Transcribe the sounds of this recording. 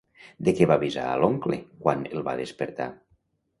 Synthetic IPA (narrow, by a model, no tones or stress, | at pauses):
d̪ekɛβaβiza̰əloŋklekwanelˠβa̰ðespeɾt̪a̰